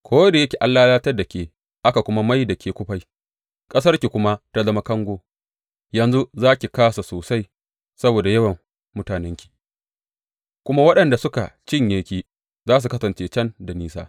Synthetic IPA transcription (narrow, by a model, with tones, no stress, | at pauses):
kʷʰoː˦da˨jɐ˦kʲeː˨ʔa˦lːaː˦laː˦tɐ˦da˨kʲeː˨ | ʔa˦ka˨kʷʊ˦ma˦ma˦jda˨kʲʰeː˨kʷʊ˦ɸa˨j | kʼɐ˦s̬ɐ˦rkʲi˨kʷʊ˦ma˦ta˦zɐ˦ma˦kɐ˦ŋɡʷoː˦ | jɐ˨nzu˦zaː˦kʲi˨kaː˦sa˨soː˨sa˦j | sɐ˦boː˨da˨jɐ˦wɐ˨mː | ʊ˦taː˨nɛ˦ŋkʲi̥˨ | kʷʊ˦ma˦wɐ˦ɗɐ˨nda˨sʊ˦ka˨t͡ʃɪ˦ɲjeː˨kʲiː˦ | zaː˦s̬u˨kɐ˦sɐ˨nt͡ʃeː˦t͡ʃɐ˦nda˨niː˦sa̰ː˦